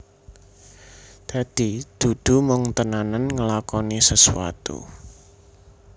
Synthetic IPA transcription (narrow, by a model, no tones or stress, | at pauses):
d̪̥ä̤d̪̥id̪̥ud̪̥ṳmʊŋt̪ənananŋəlakɔnisəsṵa̰t̪ṵ